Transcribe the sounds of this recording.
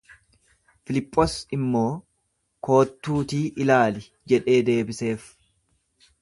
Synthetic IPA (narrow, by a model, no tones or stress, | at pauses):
fɪlɪpʼːosɪmːo̞ː | ko̞ːt̪ːuːt̪iːʔɪlaːlɪ | d͡ʒɛᶑe̞ːd̪e̞ːbɪse̞ːf